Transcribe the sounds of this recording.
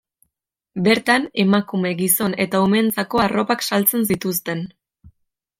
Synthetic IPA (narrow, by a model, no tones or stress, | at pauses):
be̞ɾt̪ane̞makume̞ɡiso̞ne̞t̪aume̞nt͡sako̞aro̞paksalt͡se̞ns̬it̪ust̪e̞n